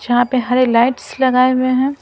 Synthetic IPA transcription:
d͡ʒɐɦãpeɦɐɾelaɪʈslɐɡaːemẽɦɛ̃ː

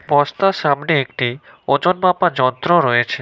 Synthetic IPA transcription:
bɔst̪aʃamneek̚ʈi | od͡ʑonbapad͡ʑɔnt̪ɾoɾɔet͡ɕʰe

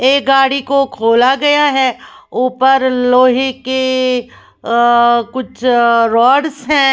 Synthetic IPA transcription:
eːk̚ɡaːɽikokʰoːlaɡɐjaɦɛ | uːpəɾloːɦeke | kʊt͡ʃʰɾɔːɖsɦɛ̃ː

